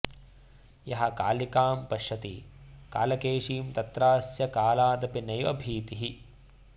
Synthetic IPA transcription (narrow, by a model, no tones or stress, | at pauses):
jɐɦɐkaːlikaːmpɐʃɐt̪ikaːlɐkeːʂiːmt̪ɐt̪ɾaːsjɐkaːlaːd̪ɐpinɐjʋɐ̰bʱiːt̪iɦi